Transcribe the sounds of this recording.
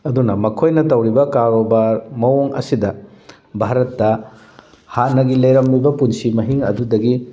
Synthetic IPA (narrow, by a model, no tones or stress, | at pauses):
ɐdunɐmɐkʰojnɐtɐwɾibɐkaɾɾobaɾmɐwoŋɐ̰sidɐ | bʱaɾɐtːɐ | hat̚nːɐɡilɐjɾɐmbibɐpunsimɐɦiŋɐdudɐɡi